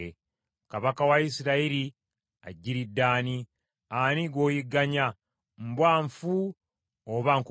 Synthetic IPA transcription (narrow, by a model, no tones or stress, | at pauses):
e | kaβakawaisiɾaiɾi | a̰ɟːiɾidːaːni | aniɡwoːjiɡaɲa | mbwaːɱfu | oβaŋk